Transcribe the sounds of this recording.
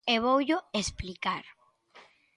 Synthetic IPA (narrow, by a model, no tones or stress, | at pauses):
eβowʎoesplikaɾ